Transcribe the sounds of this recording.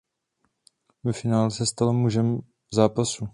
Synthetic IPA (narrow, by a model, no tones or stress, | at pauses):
vɛfɪnaːlsɛst̪alomuʒɛm | zaːpasu